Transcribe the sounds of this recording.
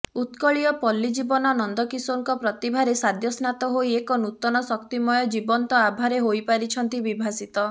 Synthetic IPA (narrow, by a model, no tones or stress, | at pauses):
ut̪kɔɭiɔpɔlːid͡ʒibɔnɔnɔnd̪ɔkisoŋkɔpɾɔt̪ibʱaɾesad̪ʱjɔsnat̪ɔɦojekɔnut̪ɔnɔsɔkt̪imɔjɔd͡ʒibɔnt̪ɔabʱaɾeɦojpaɾit͡ʃʰɔnt̪ibibʱasit̪ɔ